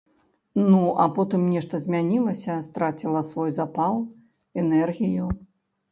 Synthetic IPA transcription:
nuʔɐ̰pɔt̪ɨmnʲɛʂt̪ɐzʲmʲanʲilˠɐsʲɐst̪ɾat͡sʲilˠɐsvɔjzapalˠ | ɛnɛrɣʲiju

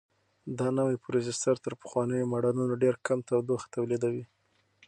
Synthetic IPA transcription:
d̪ɑnawajpɾezɪst̪aɾt̪əɾpə̥xwɑnəjomaɖɑlunaɖeɾkamt̪awd̪oxḁt̪awlid̪awi

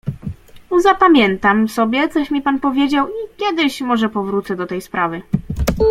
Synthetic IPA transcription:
zapamʲjɛnt̪amsɔbʲjɛt̪sɔɕmʲipanpɔvʲjed͡ʑawikʲjɛd̪ɘɕmɔʐɛpɔvɾut̪sɛd̪ɔt̪ɛjspɾavɘ

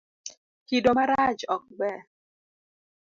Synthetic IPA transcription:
kidomaɾad͡ʒɔk̚bɛ

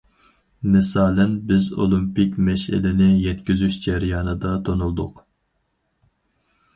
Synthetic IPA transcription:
mɪsɑːlɛnbɪzo̰lˠimpɪkʲmɛʃɪ̰lɪnɪjɛt̪kʲizyʃd͡ʒɛɾijɑːnɨd̪ɑt̪ʰonulˠd̪ʊq

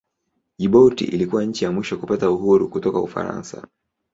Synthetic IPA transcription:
ʄiɓɔtḭʔilikuwaɲ̩t͡ʃijamwiʃɔkupatauɦuɾukutɔkaufa̰ɾa̰nsa̰

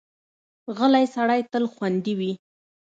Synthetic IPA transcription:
ɣəlajsaɽajt̪əlxwand̪iwi

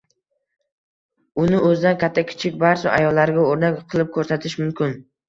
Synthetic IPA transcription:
ʊnɪʔɵzɪd̪ankʲʰat̪ʰːakʲʰɪ̥t͡ʃʰɪk̚ʲbaɾt͡ʃʊʔa̰jɒlːaɾɡʲaoɾnakʲqʰɨlˠɪp̚kʰɵɾsat̪ʰɪʃmʊmkʲɪn

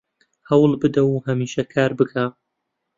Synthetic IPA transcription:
hɐwlbɨd̪ɐwhɐmiːʃɐkʰaːɾbɨkʰa

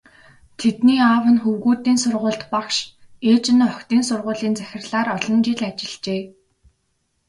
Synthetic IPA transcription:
t̪ʰet̪niːawə̆nxuwɣuːt̪iːnsʊrʁʊːɬt̪pakʃeːt͡ɕɪ̆nɔkt̪iːnsʊrʁʊːɮiːnt͡sæxʲɪ̆rɮaːɾɔɮɞ̆nt͡ɕɪɮat͡ɕɪ̆ɮ̥t͡ɕeː

